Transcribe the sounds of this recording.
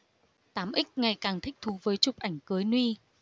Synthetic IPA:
t̪aː˨˦mʔï˦˥k̟̚ŋa˨˩jkaː˨˩ŋt̪ʰï˦˥k̟̚t̪ʰu˨˦vəː˨˦jt͡ɕʊ˨˩k͡p̚ʔa˧˩jŋ̟kɨ˨˦jnwi˧

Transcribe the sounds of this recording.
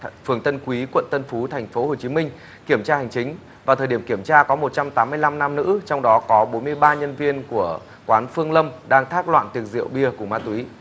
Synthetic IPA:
fɨ˧˨˩əŋt̪ə˧nkwi˨˦kwə̰˧˨nt̪ə˧nfu˨˦t̪ʰa˨˩jŋ̟fo˨˦ho˨˩t͡ɕi˨˦mï˧ŋ̟ | ki˧˩əmt͡ɕaː˧hŋ̟t͡ɕï˨˦ŋ̟ | vaː˨˩t̪ʰəː˨˩jɗi˧˩əŋki˧˩əmt͡ɕaː˧kɔ˨˦mo˨˩t̚t͡ɕa˧mt̪aː˨˦mːɨ˧əjla˧mna˧mnɨ̰˧˥t͡ɕɔ˧wŋ͡mɗɔ˨˦kɔ˨˦ɓo˨˦nmɨ˧əjɓaː˧ɲə˧nvi˧ənku˧˩ə | kwaː˨˦nfɨ˧əŋlə˧mɗaː˧ŋt̪ʰaː˦˥k̚lwa̰ː˧˨nt̪i˨˩ək̚zḭ˧˨əwɓi˧əkʊ˧˩ŋ͡mmaː˧˩t̪wi˨˦

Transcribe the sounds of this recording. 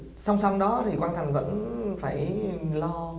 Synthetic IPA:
sa˧wŋ͡msa˧wŋ͡mɗɔ˨˦t̪ʰi˨˩kwaː˧nt̪ʰa˨˩ŋ̟və̰˧˥nfaː˧˩jlɔ˧

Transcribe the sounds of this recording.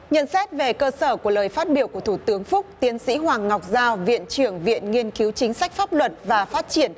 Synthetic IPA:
ɲə̰˧˨nsɛ˦˥t̚ve˨˩kəː˧səː˧˩ku˧˩ələː˨˩jfaː˦˥t̚ɓi˧˩əwku˧˩ət̪ʰu˧˩t̪ɨ˨˦əŋfʊ˦˥k͡p̚t̪i˨˧ənsḭ˧˥ɦwaː˨˩ŋːa˨˩wk͡p̚zaː˧wvḭ˧˨ənt͡ɕɨ˧˩əŋvḭ˧˨ənŋi˧ənki˨˦wt͡ɕï˨˦ŋ̟sa˦˥jk̟̚faː˦˥p̚lwə˨˩t̚vaː˨˩faː˦˥t̚t͡ɕi˧˩ən

